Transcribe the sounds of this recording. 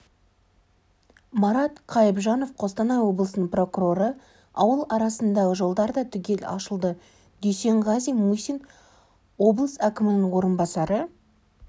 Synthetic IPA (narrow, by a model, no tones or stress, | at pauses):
mɑɾɑt̪qʰɑjəpʒɑno̞fqʰo̞st̪ɑnɑwo̞blˠəsənəɴpro̞kuɾo̞ɾə | ɑwəlˠɑɾɑsənd̪ɑʁəʒo̞lˠd̪ɑɾd̪ɑt̪ʰʏɡʲe̞lɑ̰ʃəlˠd̪ə | d̪̥ejse̞ɴʁɑzijmusin | wo̞blˠəsækʲɪmɪnɪŋwo̞ɾənbɑsɑɾə